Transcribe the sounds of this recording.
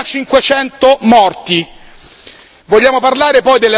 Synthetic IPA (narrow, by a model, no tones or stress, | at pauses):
t͡ʃiŋkwet͡ʃɛnt̪omɔrt̪i | voʎːaːmoparlaːɾepɔjd̪ele